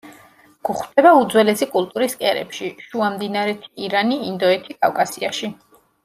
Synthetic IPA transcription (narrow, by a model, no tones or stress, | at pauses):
ɡ̥uχwd̪̥ɛbaud̪zwɛlɛsikʼulˠt̪ʼuɾiskʼɛɾɛ̰pʃiʃuamd̪inaɾɛt̪ʰi̥iɾaniind̪ɔɛt̪ʰikʼa̰fkʼasiaʃi